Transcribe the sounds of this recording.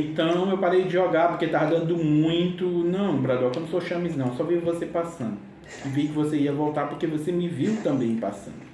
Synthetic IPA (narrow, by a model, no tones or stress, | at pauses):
ẽt̪ɐ̃w̃ewpaɾejd͡ʒɪʒɔɡaɾpoɾket̪avd̪ɐ̃nd̪ʊmũj̃t̪ʊnɐ̃w̃bɾad̪ɔkɐ̃m̃soʃɐ̃mɐznɐ̃w̃sɔvijvosepasɐ̃nd̪ʊ | ɪvikɪvoseiɐvowt̪aɾpoɾkevosemɪviwt̪ɐ̃mbẽj̃pa̰sɐ̰̃nd̪ʊʊ